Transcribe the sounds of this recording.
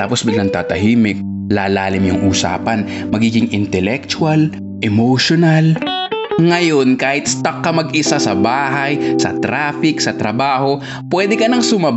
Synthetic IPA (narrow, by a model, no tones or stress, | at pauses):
t̪a̰ːposbɪɡlɐŋt̪aːt̪ɐɦiːmɪk̚ | laːlaːlɪmjʊŋʔuːsa̰ːpɐn | mɐɡiːɡɪŋʔɪnt̪ɛlɛk̚t͡ʃ̪ʊɐl | ʔɛmoʃonɐl | ŋɐjo̞nkaːhɪt̪̚st̪ɐkːɐmɐɡʔɪsasɐbaːɦɐjsɐ̰t̪ɾaːfɪksɐt̪ɾɐbaːho̞ | pwɛːd̪ɛkɐnɐŋsʊmɐ